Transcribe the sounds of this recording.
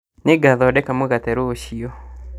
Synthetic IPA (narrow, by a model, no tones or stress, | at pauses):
nɪɡaðɔdɛkamoɡat̪ɛɾoːʃio